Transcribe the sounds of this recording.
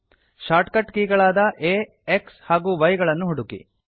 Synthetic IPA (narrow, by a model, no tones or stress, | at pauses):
ʃaːɾʈkɐʈkiːɡɐɭaːd̪ɐʔeː | ekshaːɡuːʋɐjɡɐɭɐnːuɦuɽukḭ